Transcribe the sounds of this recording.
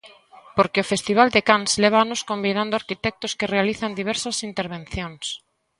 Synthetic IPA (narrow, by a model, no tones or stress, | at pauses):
poɾkeofest̪iβ̞ald̪ekansleβ̞aanoskombinãnd̪ʊaɾkit̪ɛk̚t̪oskerealiθand̪iβ̞ɛɾsasint̪eɾβ̞ẽn̟θjõŋs